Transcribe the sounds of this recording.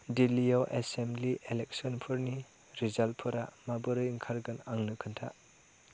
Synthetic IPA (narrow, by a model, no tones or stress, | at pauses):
dilijɔʔesemliʔelek̚sɔnpʰɯɾni | ɾizal̚pʰɯɾamabɯɾɯjiŋkʰaɾɡɯnaŋnɯkʰɯntʰa